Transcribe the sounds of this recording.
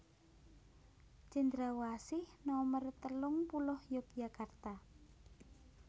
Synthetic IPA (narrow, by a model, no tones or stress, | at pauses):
t͡ʃind̪ɾawasɪhnɔmərt̪əlʊŋpulɔhjɔk̚jakart̪a